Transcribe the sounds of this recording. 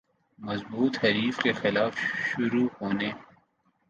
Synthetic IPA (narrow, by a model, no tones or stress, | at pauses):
mɐzbuːt̪hɐɾiːfkexɪlaːfʃʊɾuhoːneː